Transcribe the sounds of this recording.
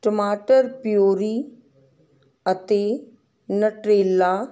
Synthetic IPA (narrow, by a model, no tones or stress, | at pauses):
ʈəmaːʈəɾpɪjoːɾiː | ət̪eː | nəʈɾeːlːaː